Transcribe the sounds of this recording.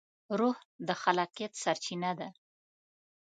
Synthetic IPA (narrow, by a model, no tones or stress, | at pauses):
ɾuhd̪əxalɑqjat̪saɾt͡ʃinad̪a